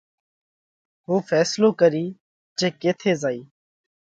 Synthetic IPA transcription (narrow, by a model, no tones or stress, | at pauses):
ɦuːfʰɛːsloːkəɾiː | d͡ʒeːkeːt̪ʰeːzaːiː